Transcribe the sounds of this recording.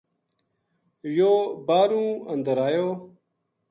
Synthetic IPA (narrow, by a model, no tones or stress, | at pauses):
joːbaːɾũːɐnd̪əɾaːjoː